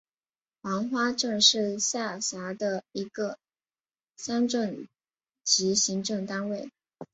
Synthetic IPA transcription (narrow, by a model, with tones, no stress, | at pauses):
wɑ˧˥ŋxwa˥ʈ͡ʂɤ˥˧ŋʂɻ̩˥˩ɕja˥˩ɕa˧˥d̪ə˧i˧˥ɡə˧ | sa˥nʈ͡ʂə˥˩n | t͡ɕi˧˥ɕi˧˥ŋʈ͡ʂɤ˥˩ŋt̪a˥nwe˥˩ɪ